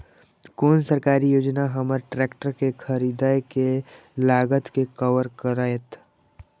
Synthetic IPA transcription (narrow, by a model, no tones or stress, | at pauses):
koːnsəɾkaːɾijoːd͡ʒnaɦɐməɾʈɾɛːkʈəɾkekʰəɾid̪aːjke | laːɡət̪kekəʋəɾkəɾaːet̪